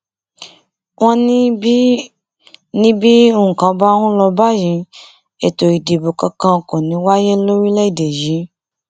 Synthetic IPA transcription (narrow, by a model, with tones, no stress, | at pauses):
w̃ɔ̃˦n˦ | nĩ˦bi˦õ˦˨kã˨˦ba˦wũ˦lɔ˧ba˦jĩ˨˧˦ | e˨to˨i˨de˨bo˨kã˧kã˧˨kũ˨nĩ˨˦wa˦je˦lo˦ɾi˦lɛ˦i˨de˨jĩ˨˦